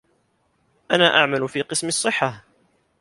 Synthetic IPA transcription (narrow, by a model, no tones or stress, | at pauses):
ʔanaːʔaʕmalfiːqɨsmɪɑsˤːɨħːa